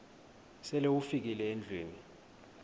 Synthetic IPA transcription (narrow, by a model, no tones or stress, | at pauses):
sɛlewufik̬ilɛend͡ɮʱweːni